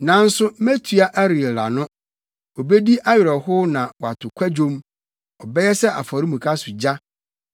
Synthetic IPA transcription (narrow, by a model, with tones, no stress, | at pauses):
nã˨n̩˦sʊ˦me˦tʰu˨a˦ʔæ˦ɾi˨la̰˨nʊ̃˦ | o˨be˦di˦ʔa˦ɥɪ˨ɾɔ˨hʊ˦nã˨wɔ˨a˨tʰʊ˨kʷʰa˦d͡ʑõ˦m | ɔ˨bɛ˦jɛ˦sɛ˦ʔa̰˨fɔ˨ɾi˦mũ˨kʰa˦sʊ˨d͡ʑa˦